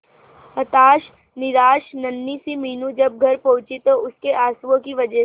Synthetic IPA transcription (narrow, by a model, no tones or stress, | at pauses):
ɐt̪aːʃ | nɪɾaːʃnɐnːisimiːnũd͡ʒɐb̚ɡʱɐɾpɐʊ̃t͡ʃit̪oʊskeʔaːsʋõkiʋɐd͡ʒɛ